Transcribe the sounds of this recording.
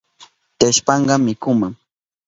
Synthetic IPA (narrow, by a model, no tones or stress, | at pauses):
t̪eʃpɑɴɢɑmɪkʊmaŋ